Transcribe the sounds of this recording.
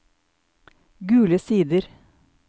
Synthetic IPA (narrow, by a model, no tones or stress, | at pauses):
ɡʉːləsiːd̪əɾ